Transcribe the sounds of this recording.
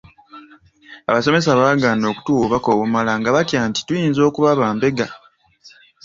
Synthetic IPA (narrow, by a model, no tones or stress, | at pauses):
aβaso̞me̞s̬aβaːɡaːno̞ːku̥tuβako̞ːβumalaŋɡaβatjaːnti̥tujiːnzo̞ːkuβaβaːmbe̞ɡa